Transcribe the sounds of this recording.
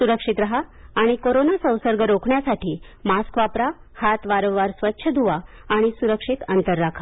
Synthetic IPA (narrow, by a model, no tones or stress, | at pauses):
suɾəkʂit̪ɾaɦaːɽ̃ikoɾonasə̃w̃səɾɡəɾokʰɳjasaʈiːmaskʋapɾa | hat̪ʋaɾə̃wːaɾsʋətːɕʰəd̪ʱuʋa | aɽ̃isuɾəkʂit̪ənt̪əɾːakʰa